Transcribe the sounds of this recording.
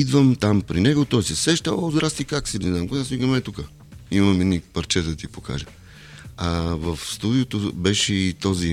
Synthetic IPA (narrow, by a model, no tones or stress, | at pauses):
id̪vəmt̪ampɾinɛɡot̪ɔjsɛsɛʃt̪alˠozd̪ɾast̪ikaksɛnɛznamkonasviɡəmɛt̪ukə | imɐmɛd̪nipɐɾt͡ʃɛt̪d̪ɐt̪ipoka̰ʒə | ɐvɐfst̪ud̪iot̪obɛʃɛit̪ɔzi